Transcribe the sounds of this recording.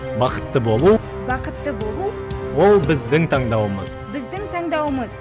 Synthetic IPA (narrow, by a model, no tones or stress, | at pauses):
bɑqə̥t̪ːəbo̞lˠu | bɑqət̪ːəbo̞lˠu | wo̞lˠbɪzd̪ɪŋt̪ʰɑɴd̪ɑwəməzbɪzd̪ɪŋt̪ʰɑɴd̪ɑwəməz